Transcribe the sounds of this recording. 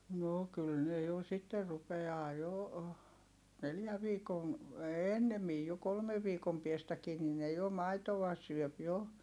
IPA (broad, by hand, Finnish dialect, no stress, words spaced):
no kyl ne jo sitːer rupeɑː jo neljæ ʋiːkon̞ enːemij jo kolmeʋ ʋiːkom piestækiː nin ne jo mɑitoʋɑ syøp jo